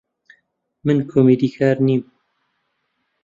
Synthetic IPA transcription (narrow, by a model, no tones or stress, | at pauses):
mɨnkʰoːmid̪ikʰaːɾniːm